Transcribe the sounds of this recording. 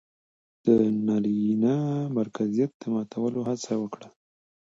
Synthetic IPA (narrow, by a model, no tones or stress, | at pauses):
d̪̥ənaɾinamaɾkazijat̪̚d̪̥əmɑt̪ʰawəlohat͡sawəkɽa